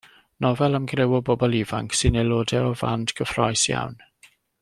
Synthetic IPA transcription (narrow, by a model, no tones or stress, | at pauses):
nɔvɛlˠəmɡrɪwɔbɔbɔlˠivaŋksɨnelˠoːdɛɔva̰ndɡʰəfrɔjsja̰wn